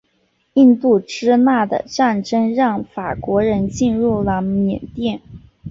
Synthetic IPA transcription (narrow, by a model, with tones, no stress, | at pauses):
i˥˧nt̪u˥˩ʈ͡ʂɻ̩˥na˥˩d̪ə̰˩ʈ͡ʂa˥˩nʈ͡ʂə˥ŋɻɑ˥˩ŋfa˨˩kwɔ˧˥ɻə˧˥nt͡ɕi˥˧nɻu˥˩lə˩mjɛ˨˩nt̪jɛ˥˩n